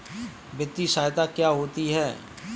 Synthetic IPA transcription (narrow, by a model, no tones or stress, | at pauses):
bɪt̪ːiʃaːjt̪akjaːɦoːt̪iɦɛː